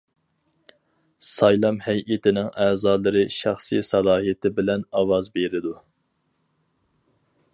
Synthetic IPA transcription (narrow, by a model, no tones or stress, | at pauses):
sɑjlˠɑmhɛjʔet̪ʰɪnɪŋæːzɑːlˠɨɾɨʃæχsijsɑlˠɑːɦijet̪ʰɪbɪlɛnɑwɑzbeɾɪd̪u